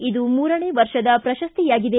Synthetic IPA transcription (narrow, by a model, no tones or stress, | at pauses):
id̪umuːɾɐɳeːʋɐɾʂɐd̪ɐpɾɐʃɐst̪ijaːɡid̪e